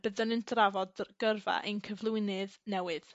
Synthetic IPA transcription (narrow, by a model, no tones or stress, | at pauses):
b̥əðənɨndʰravɔdɡ̥ərva̰ʔenkʰəvlˠuɪnɨðnɛwɨð